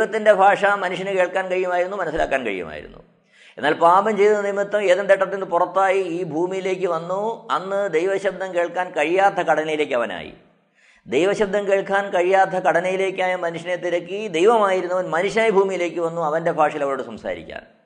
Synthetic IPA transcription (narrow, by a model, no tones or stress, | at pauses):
ejʋɐt̪ːinde̞bʱaːʂɐmɐnuʂ̬jɐnɨke̞ːɭkːaːnkɐɻijuɐmaːjiɾunːumɐnɐsːila̰ːkːaːnkɐ̰ɻijɐ̰ma̰ːjḭɾṵnːṵ | enːaːlpaːbɐmt͡ɕe̞jðunːɐnimit̪ːɐmeːðend̪eʈːɐt̪ːenːɨpurɐt̪ːaːjiiːbʱuːmijile̞ːk̬ʲːɨʋɐnːuɐnːɨd̪ejʋɐɕɐb̚d̪ʱːɐmke̞ːɭkːaːnkɐɻijaːt̪ʰːɐkɐɽɐnɐjile̞ːkːɐʋɐna̰ːjḭ | d̪ejʋɐɕɐb̚d̪ʱːɐmkeːɭkːaːnkɐɻijaːt̪ʰːɐkɐɽɐnɐjile̞ːkːaːjɐmɐnuʂjɐnet̪ːiɾɐkːid̪ejʋɐmaːjiɾunːɐʋɐnmɐnuɕaːjibʱuːmijile̞ːkʲːɨʋɐnːuɐʋɐnde̞bʱaːʂɐilɐʋɐɭoːɽɨsɐmsa̰ːɾḭkʲːa̰ːn